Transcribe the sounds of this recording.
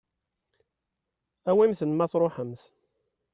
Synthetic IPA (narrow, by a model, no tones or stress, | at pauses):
æwimθənmæθɾˤoħəmθ